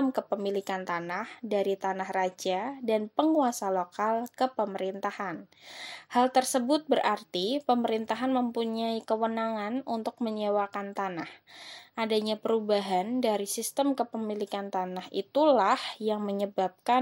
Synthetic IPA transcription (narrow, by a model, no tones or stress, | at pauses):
əmkəpəmilikant̪anahdaɾit̪anahrad͡ʒadanpəŋuasalokalkəpəməɾint̪ahanhalt̪ərsəbʊt̪̚bərʔart̪ipəməɾint̪aɦanməmpuɲaikəwənaŋanunt̪ʊk̚məɲewakant̪anahʔadaɲapəɾubaɦandaɾisist̪əmkəpəmilikant̪anahḭt̪ulahjaŋməɲəbap̚ka